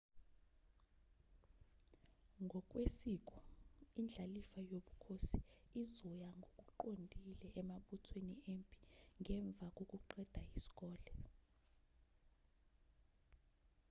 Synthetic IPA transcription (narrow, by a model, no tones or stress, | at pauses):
ŋɡʱɔk̬ʼwesiːk̬ʼɔind͡ɮʱalifajoɓukʰosiizɔjaŋɡʱok̬ʼuǃondʱilɛʔːmaɓutʰweniempʼi̥ŋʱɛɱb̪vʱak̬ʼok̬ʼuǃɛd̥ʱaisi̥k̬ʼɔːlɛ